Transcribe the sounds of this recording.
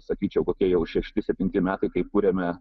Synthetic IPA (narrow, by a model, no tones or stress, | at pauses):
sɐkʲiːt͡ʃʲɛʊkoːkʲiɛjɛʊʃʲɛʃʲt̪ʲɪsʲɛp̚ʲt̪ʲɪnʲt̪ʲɪmʲæːt̪ɐɪkɐɪkuːɾʲemʲɛ